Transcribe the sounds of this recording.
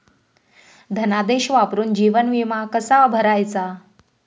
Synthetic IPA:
d̪ʱənad̪eɕʋapɾuːnd͡ʑiʋənʋimakəsabʱəɾajt͡sa

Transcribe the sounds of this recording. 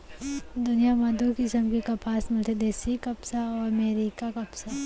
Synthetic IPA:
d̪ʊnijamad̪ukɪsəmkikɐpaːsmɐlt̪ʰed̪eːsikɐpsaɔːɾɐmeːɾiːkakɐpsa

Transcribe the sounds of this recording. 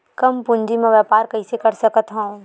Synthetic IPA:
kɐmpʊɲd͡ʒimẽʋjapaːɾkɐisekɐɾsəkət̪ɦə̃ũ

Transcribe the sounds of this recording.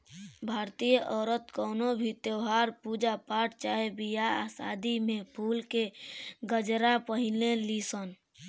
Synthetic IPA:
bʱaːɾt̪ijəʔɔːɾət̪kɔːnobʱit̪eɦaɾpud͡ʒapaːʈt͡ʃaːɦebijaasa̰ːd̪imẽpʰuːlkeɡəd͡ʒɾapəɦɪlelisən

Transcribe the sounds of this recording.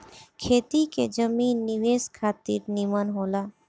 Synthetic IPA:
kʰeːt̪ikḛd͡ʒəmiːnːɪʋeːskʰaːt̪ḭːɾnimənɦoːlaː

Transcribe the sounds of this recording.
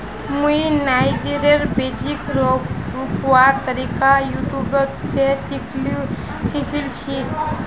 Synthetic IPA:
mujnajd͡ʒiɾeɾbed͡ʒikɾɔɾupuwaɾt̪əɾikajuʈubɔt̪sesikʰlu | sipʰilt͡ʃʰi

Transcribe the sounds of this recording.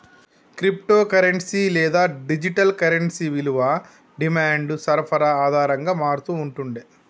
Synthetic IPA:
kɾip̚ʈoːkɐɾeɳʈsilɛːd̪aːɖid͡ʒiʈɐlkɐɾeɳʈsiʋiluʋaː | ɖimaːɳɖsɐɾpʰɐɾaaːd̪ʱaːɾɐŋɡaːmaːɾut̪uːɳʈuɳɖi

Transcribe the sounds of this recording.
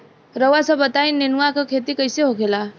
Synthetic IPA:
ɾəʋasabət̪ainːenuʋakakʰet̪ikəjseɦokela

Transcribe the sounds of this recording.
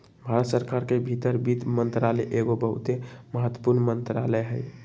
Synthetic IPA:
bʱaɾət̪səɾkaɾkebʱit̪əɾbit̪mənt̪ɾalɛʔeɡobəɦṵt̪eməɦət̪wə̥puɾnmənt̪ɾaləjɦəj

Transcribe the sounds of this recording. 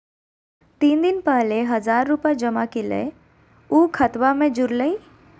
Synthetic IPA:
t̪iːnd̪ɪnpɛɦleɦɐzaːɾːupad͡ʒɐmakilḛ | uːkʰɐt̪wamẽd͡ʒʊɾləiː

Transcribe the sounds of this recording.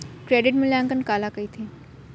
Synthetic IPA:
kɾeːɖɪʈmʊlaːŋkənkaːlakəiːt̪ʰiː

